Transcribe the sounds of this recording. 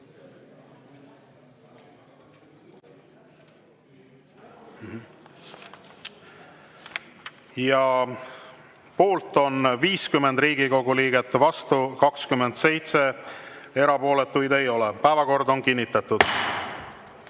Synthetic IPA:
jɑ | po̞ːlt̪ːˑo̞nviːskymːe̞nd̪riːɡ̥iko̞ɡuliːɡe̞t̪ːvɑst̪ukɑkskymːe̞nd̪̥se̞jt̪se̞ | e̞ɾɑpo̞ːle̞t̪ːˑujd̪e̞jo̞lepæevɑko̞rd̪o̞nkinʲːit̪ːˑɑt̪ud̪̥

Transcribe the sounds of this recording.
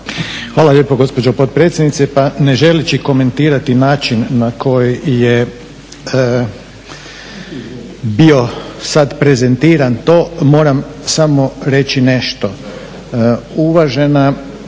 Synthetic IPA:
xʋaːlˠaʎeːpoɡo̞spod͡ʒopot̪̚pɾet̪sʲjed̪nit̪sepane̞ʒelit͡ʃiko̞me̞nt̪iːɾat̪inaːt͡ʃinːakʰo̞jije | bio̞sad̪pɾe̞ze̞nt̪iːɾant̪oːmo̞ːɾamsamo̞ɾe̞t͡ʃine̞ʃt̪o̞ | uʋaʒe̞na

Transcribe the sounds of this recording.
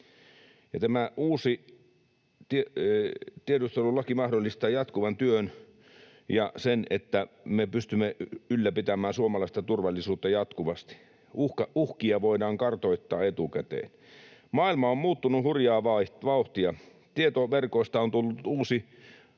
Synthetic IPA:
jɑt̪æmæʔuːsi | t̪ie | t̪ieɾust̪elulɑkimɑhdolːist̪ɑːjɑt̪kuʋɑnt̪yøn | jɑsenḛt̪ːæmepyst̪ymːeylːæpit̪æmæːnsuomɑlɑˑist̪ɑt̪urʋɑlːisuːt̪ːɑjɑt̪kuʋɑst̪i̥ | uhkɑuhkiɑʋoidɑːŋkɑrt̪oit̪ːɑːet̪ukæt̪ḛːn | mɑilmɑommuːt̪ːunuhurjɑːʋɑʋɑuht̪iɑ | t̪iet̪oʋerkoist̪ɑont̪ulːut̪uːsi

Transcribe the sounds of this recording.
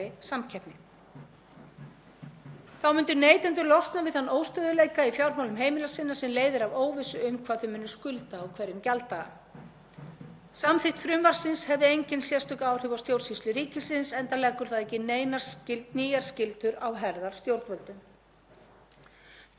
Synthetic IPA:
ɪsamcʰɛpnɪ | θawmʏnt̪ʏneːjt̪ɛnt̪ʏɾlɔst̪navɪðhanːoːwst̪œːðʏlejkaifjawɾmawlʏmɦeːjmɪlasɪnːasɛmleːjðɪɾavoːwvɪsʏʏmkʰvaːðθʏmʏnːʏskʏlt̪aːwkʰvɛɾjʏmcalt̪a | samθɪht̪fɾʏmvaɾ̥sɪnshɛvðɪejɲcɪnsjɛst̪ʏkaːwr̥ɪvawst̪jowɾt̪sist̪ʏɾiːcɪsɪnsɛnt̪alɛkːʏɾ̥θaðɛhcːɪneːjnḁscɪlt̪niːjaɾ̥scɪlt̪ʏɾawɦɛɾðaɾ̥st̪jowɾt̪vœlt̪ʏm

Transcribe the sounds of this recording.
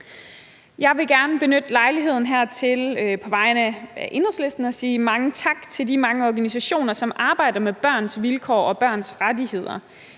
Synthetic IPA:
jɑ̈ɪʋe̝ɡ̥æɐnəb̥e̝nød̥lɑ̈ɪliɦe̝ð̰ˠn̩ɦæɐ̰t͡sʰe̝lpʰɒ̽ʋɑ̈ɪnəæʔe̝n̥ʁɐsle̝sd̥n̩ɒ̽siːmɑ̈ŋət͡sʰɑ̈ɡ̥t͡sʰe̝ld̥imɑ̈ŋəɒɡ̥ænisæɕo̝̰ːnɐsɒ̽mʔɑ̈ːb̥ɑ̈ɪ̰d̥ɐmeb̥ɶɐ̰nsʋilkʰɒ̰ːɒ̽b̥ɶɐ̰nsʁadihe̝ð̞̰ˠɐ

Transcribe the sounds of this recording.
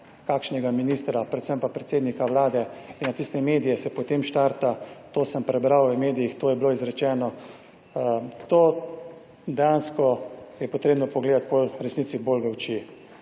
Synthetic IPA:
kakʃnɛɡaminiːst̪ɾapɾɛt̪səmpapɾɛt̪seːd̪nikawlaːd̪ɛinnat̪ist̪ɛmeːd̪ijɛsɛpot̪emʃt̪aɾt̪at̪oːsəmpɾɛbɾawʋəmeːd̪ijixt̪oːjɛbloizɾɛt͡ʃɛːnɔ | t̪oː | d̪ɛjanskɔjɛpɔt̪ɾeːbnɔpɔɡleːd̪at̪̚bolɾɛsnit̪siboːlʋɛwt͡ʃi

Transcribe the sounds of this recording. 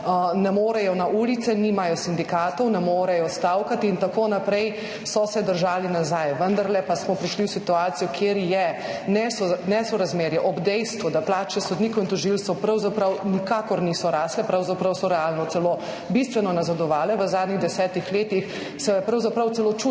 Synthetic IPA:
nɛmoːɾɛjɔnaʔuːlit̪sɛnimajɔsind̪ikaːt̪ɔwnɛmoːɾɛjɔst̪awkat̪iːnt̪akoːnapɾɛj | sɔsɛd̪əɾʒaːlinazajʋənd̪aɾlɛpasmɔpɾiʃliwsit̪uaːt̪sijɔkʰeːɾjɛnɛsɔnɛsɔɾazmeːɾjɛʔɔbd̪ɛjst̪ʋud̪aplaːt͡ʃɛsɔd̪niːkwint̪ɔʒilst̪ɛpɾɐwzapɾɐwnikaːkɔɾnisɔɾaːslɛpɾɐwzapɾɐwsɔɾɛaːlnɔt̪sɛlo | bist̪ʋɛnɔnazad̪ɔʋaːlɛʋəzaːd̪niɣd̪ɛsɛːt̪ixleːt̪ix | sɛjɛpɾɐwzapɾɐwt̪sɛlot͡ʃu

